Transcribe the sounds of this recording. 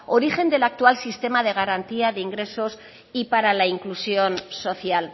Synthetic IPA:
o̞ɾixe̞nd̪e̞lak̚t̪ualsist̪e̞mað̞e̞ɣ̞aɾant̪iaðeiŋɡɾe̞so̞s | ipaɾalaiŋklusjo̞nso̞θjal

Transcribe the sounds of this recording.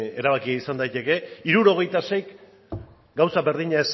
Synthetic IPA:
e̞ɾaβ̞akiisand̪ajt̪e̞ke̞iɾuɾo̞ɣe̞jt̪ase̞jk | ɡawsabe̞ɾðiɲaes

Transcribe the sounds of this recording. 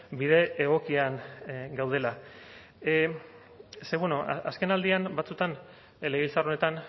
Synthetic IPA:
biðe̞ːɣ̞o̞kiaŋɡawð̞e̞la | seβunoa̰ske̞nald̪ianbat͡sut̪an | leɣilt͡saro̞ne̞t̪an

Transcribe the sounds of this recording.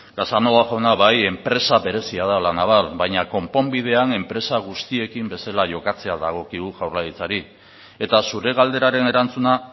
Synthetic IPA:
ɡ̥asanoaʝawnaβaje̞mpɾe̞saβe̞ɾe̞siað̞alanaβ̞alβajɲako̞mpo̞mbið̞e̞ane̞mpɾe̞saɣ̞ust̪ie̞kimbe̞salaʝo̞kat͡se̞aða̰ɣ̞o̞kiɣuʝawɾlaɣit͡saɾi | e̞t̪asuɾe̞ɣald̪e̞ɾaɾe̞ne̞ɾant͡suna

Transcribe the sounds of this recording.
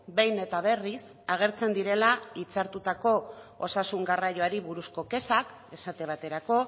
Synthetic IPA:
be̞jne̞t̪aβ̞e̞ris | aɣ̞e̞ɾt͡se̞nd̪iɾe̞lait͡saɾt̪ut̪ako̞ːsasuŋɡarajo̞aɾiβuɾusko̞ke̞sak | e̞sat̪eβ̞at̪e̞ɾako̞

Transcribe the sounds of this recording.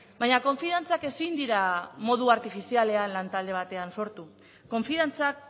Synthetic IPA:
bajɲako̞ɱfiðant͡sake̞sind̪iɾamo̞ðuaɾt̪ifisiale̞anlant̪ald̪e̞β̞at̪e̞anso̞ɾt̪u | ko̞ɱfiðant͡sak̚

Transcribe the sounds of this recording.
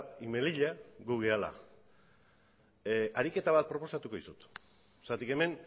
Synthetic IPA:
ime̞liʎaɡuɣeala̰ | aɾike̞t̪aβat̪̚pɾo̞po̞sat̪uko̞ðisut̪ | sat̪ike̞me̞n

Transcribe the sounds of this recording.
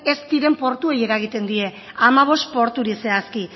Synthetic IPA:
e̞st̪iɾe̞mpo̞ɾt̪ue̞je̞ɾaɣ̞it̪e̞nd̪ie̞ | amaβ̞o̞st̪̚po̞ɾt̪uɾise̞aski

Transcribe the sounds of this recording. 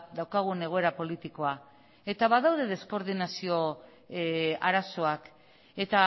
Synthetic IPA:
d̪awkaɣ̞une̞ɣ̞o̞e̞ɾapo̞lit̪iko̞a | e̞t̪aβaðawðe̞ð̞e̞sko̞ɾðinasio̞ | aɾaso̞ak | e̞t̪a

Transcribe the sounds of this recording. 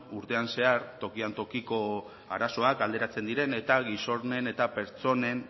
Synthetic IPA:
uɾt̪e̞anse̞aɾt̪o̞kiant̪o̞kiko̞ | a̰ɾaso̞akald̪e̞ɾat͡se̞nd̪iɾe̞ne̞t̪aɣiso̞ɾne̞ne̞t̪ape̞ɾt͡so̞ne̞n

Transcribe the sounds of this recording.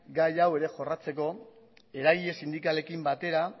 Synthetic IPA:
ɡajawe̞ɾe̞ʝo̞rat͡se̞ko̞ | e̞ɾaɣiʎe̞sind̪ikale̞kimbat̪e̞ɾa

